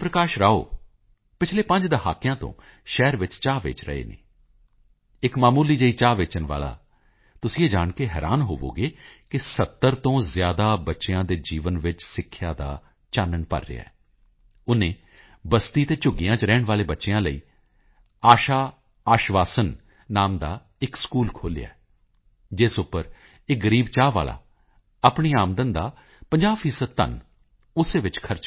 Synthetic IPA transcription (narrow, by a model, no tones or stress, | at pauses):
pɾəkaːʃɾaːo̰ː | pɪt͡ʃʰleːpə̃ɲd͡ʒd̪əha̰ːkejãːt̪õ̰ː | ʃɛːɾʋɪt͡ʃt͡ʃaːʋḛːt͡ʃɾə̰ḛːnḛː | ɪkmaːmuːliːd͡ʒəiːt͡ʃaːʋeːt͡ʃənʋa̰ːla̰ː | t̪ʊsĩːeːd͡ʒaːɳkeɦɛːɾaːnɦoːʋo̰ːɡeːkɪsət̪ːəɾt̪õːzjaːd̪aːbətːʃeãːd̪eːd͡ʒiːʋənʋɪt͡ʃsɪkʰːjaːd̪a̰ː | t͡ʃaːnəɳpə̰ɾːḛːa̰ːɛː | ʊnẽː | bəst̪iːt̪eːt͡ʃʊɡɪjãːt͡ʃɾɛːɳʋaːleːbətːʃeãːləḭː | aːʃaː | aːʃʋaːsən | naːmd̪aː | ɪkskuːlkʰoːlɪ̰ja̰ː | d͡ʒɪsʊpːəɾ | ɪk̚ɡəɾiːbt͡ʃaːʋa̰ːla̰ː | apɳiːaːmd̪ənd̪aː | pəɲd͡ʒaːʋfʰiːsəd̪̚t̪ə̰n | ʊseːʋɪt͡ʃkʰəɾt͡ʃ